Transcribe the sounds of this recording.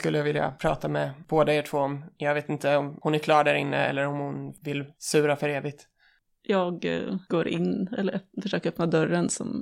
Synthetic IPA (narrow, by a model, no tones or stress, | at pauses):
kɵlːəjavɪlja̰pʰɾɑ̰ːt̪amɛb̥oːd̪əeːʈʰv̥oːɔmjɑːɡveːt̪ɪnt̪əɔmhʊnæɾkʰlɑːɖæɾɪnːəɛ̰lːəɾɔmhʊnvɪlsʉ̟ːɾafœɾeːvɪɡ̚t̪ | jɑːɡɡ̥oːɾʔɪ̰nːɛ̰lːəɾfœʂøːkəɾœpnad̪œɾːənsɔ̰m